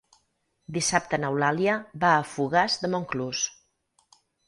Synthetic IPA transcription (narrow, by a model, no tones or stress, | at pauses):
d̪isap̚t̪ənəwlaljəbaːfuɣazd̪əmoŋklus